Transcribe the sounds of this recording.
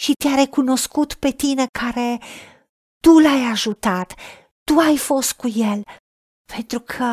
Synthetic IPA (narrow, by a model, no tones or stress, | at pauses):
ʃit̪eaɾe̞kuno̞skut̪pe̞t̪ine̞kʰaɾe̞ | t̪ulajaʒut̪at̪ː | uajfo̞st̪̚kuje̞l | pe̞nt̪ɾukʰə